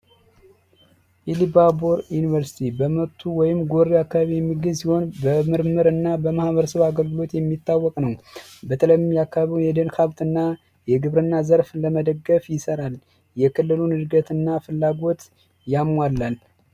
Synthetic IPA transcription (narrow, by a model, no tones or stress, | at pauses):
ʔilibaboɾjunivəɾsi̥t̪ʰibəmət̪ʰːuwɔjɪmɡo̞ɾːiakːaβaβijɛmːiɡɨzsiho̞nbəmɨɾmɨɾɨnːabəmahβəɾəsəβaɡəlɡɨlo̞t̪jɛmːit̪ːawːɔkʼnəwbət̪ʰələjmmjakːaβaβiwjɛd̪ənkaβt̪ɨnːa | jɛɡɨβɾɨnːazəɾfləməd̪əɡːəfjɪsəɾal | jɛkʰɨlːɨlunɨd̪ɡət̪ɨnːafɨlːaɡo̞t̪ | jamːalːal